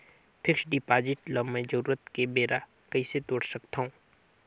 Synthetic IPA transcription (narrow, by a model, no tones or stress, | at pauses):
pʰɪkʃɖiːpaːd͡ʒɪʈləmẽd͡ʒəɾuːɾət̪kebeːɾʔa | kɐiset̪oːɽsɐkt̪aɦũː